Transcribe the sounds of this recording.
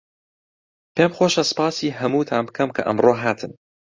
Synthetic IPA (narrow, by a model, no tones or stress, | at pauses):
peːmxoːʃɐsɨ̥pɑːsiːɦɐmuːt̪ʰaːmbkʰɐmkʰɐ̰ʔɐ̰mroːɦaːt̪ʰɨn